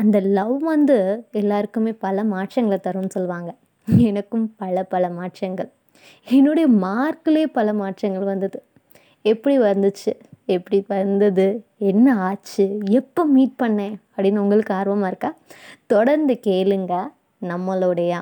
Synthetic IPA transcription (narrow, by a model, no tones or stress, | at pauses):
ɐnd̪ɐlɐʋʋɐnd̪ɯɛlːaːɾɯkːɯmeːpɐlɐmaːʈʂɐŋɡɐɭɐt̪ɐɾɯnːɯsɔlːʋaːŋɡɐ | ɛnɐkːɯmpɐlɐpɐlɐmaːʈʂɐŋɡɐɭ | ɛnːoːɽɐjɐmaːɾkɯleːpɐlɐmaːʈʂɐŋɡɐɭʋɐnd̪ɐðɯ | ɛpːɐɽiʋɐɾnd̪ɯt͡ʃːɯɛpːɐɽiʋɐɾnd̪ɐðɯɛnːɐaːt͡ʃːɯɛpːoːmiːʈ̚pɐɳːẽːɐpːɽinɐʊŋɡɐɭɯkːɯaːɾʋɐmaːɪɾɯkːaːt̪ɔɽɐɾnd̪ɯkeːlɯŋɡaː | nɐmːɐloːɽɐjãː